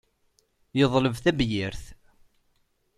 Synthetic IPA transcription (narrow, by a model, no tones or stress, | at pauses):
jəðˤləvθæbjiɾθ